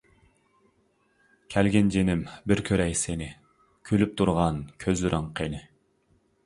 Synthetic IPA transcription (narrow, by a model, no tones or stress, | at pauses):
kʲʰælɡʲɛnd͡ʒenɪmbɪɾkʲʰøɾɛjsenɪ | kʲʰølyp̚t̪ʰuɾʁɑnkʲʰøzlyɾʔɪŋqʰenɪ